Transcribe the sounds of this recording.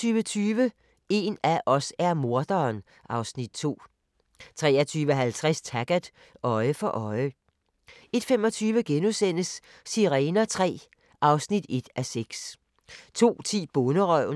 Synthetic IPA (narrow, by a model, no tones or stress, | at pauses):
yːʋət͡sʰyːʋə | e̝ːnæʔɒ̽sæɐmo̝ɐd̥ɐːn | ʔɑ̈ʊsnid̥̚t͡sʰo̝̰ː | t͡sʰʁɛ̰ːɐt͡sʰyːʋəɦælt͡sʰʁast͡sʰæɡ̥æd̥ | ʔɒ̽ɪəfɒ̽ʔɒ̽ɪə | e̝d̥femɒ̽t͡sʰyːʋəɡ̥enusen̰əsː | iʁɛːnɐt͡sʰʁɛ̰ː | ʔɑ̈ʊsnid̥e̝d̥æseɡ̥s | t͡sʰo̝̰ːt͡sʰḭːb̥ɔnəʁœʊ̰